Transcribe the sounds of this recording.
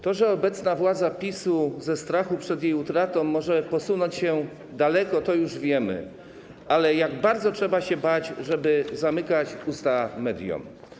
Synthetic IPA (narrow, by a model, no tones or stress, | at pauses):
t̪ɔʐɛɔbɛt̪snavwad̪zapʲisuzɛst̪ɾaxupʂɛd̪jejut̪ɾat̪ɔ̃w̃ːɔʐɛpɔsunɔɲt͡ɕɕɛ | d̪alɛkɔt̪ɔjuʐvʲjɛmɘ̰ | ʔalɛjaɡbaɾd̪zɔtʂɛbaɕɛbat͡ɕʐɛbɘzamɘkat͡ɕust̪amɛd̪ʲjṵm